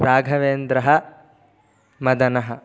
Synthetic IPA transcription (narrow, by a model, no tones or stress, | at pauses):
ɾaːɡʱɐʋeːnd̪ɾɐɦɐ̆ | mɐd̪ɐnɐɦɐ